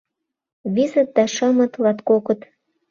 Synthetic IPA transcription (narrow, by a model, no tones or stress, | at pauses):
βizə̆t̪̚d̪ɑʃəmə̆t̪lɑt̪kokə̆t̪